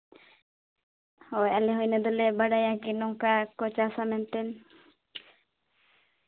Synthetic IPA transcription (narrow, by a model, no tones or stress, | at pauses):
hɔjaleɦɔjnad̪ɔlebaɖajakinɔŋkakɔt͡ʃasamɛnt̪ɛn